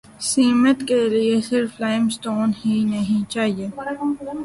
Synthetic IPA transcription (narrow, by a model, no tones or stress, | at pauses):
siːmət̪keliesɪɾflaːɪmsʈoːnhinɐɦĩt͡ʃaːɦieː